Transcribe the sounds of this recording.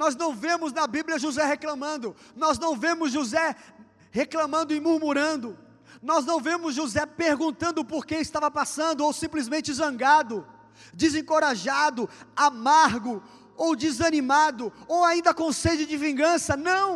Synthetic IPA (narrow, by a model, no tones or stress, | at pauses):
nɔznɐ̃w̃vẽmʊznɐbiblʲjɐʒuzɛheklɐ̃mɐ̃nd̪ʊ | nɔznɐ̃w̃vẽmʊzʒuzɛ | heklɐ̃mɐ̃nd̪ʊɪmuɾmuɾɐ̃nd̪ʊ | nɔznɐ̃w̃vẽmʊzʒuzɛpeɾɡũnt̪ɐ̃nd̪ʊpoɾkeɪst̪avɐpasɐ̃nd̪ʊowsĩmplizmẽnt͡ʃɪzɐ̃ŋɡad̪ʊ | d͡ʒɪzẽkoɾaʒad̪ʊamaɾɡʊ | owd͡ʒɪzɐnĩmad̪ʊowaĩnd̪ɐkõsejd͡ʒɪd͡ʒɪvĩŋɡɐ̃sɐnɐ̃w̃